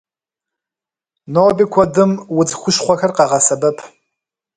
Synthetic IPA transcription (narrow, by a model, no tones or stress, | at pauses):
noːbikʷʰɐdɨmwʊd͡zxʷʊʃχʷɐxɐrqɑʁɐsɐbɨpʰ